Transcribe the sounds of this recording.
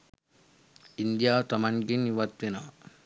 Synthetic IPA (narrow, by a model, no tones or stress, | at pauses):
ind̪ijawt̪ɐmanɡinːiwat̪winaw